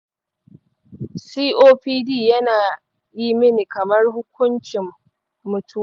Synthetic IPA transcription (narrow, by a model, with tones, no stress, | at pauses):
siː˦ʔoː˦ɸiː˦diː˦˨jɐ˦naː˨ | jiː˦mɪ˦ni˨kɐ˨mɐ˦rhʊ˦kʷʊ˦nt͡ʃɪ˨mː | ʊ˨tu˦˨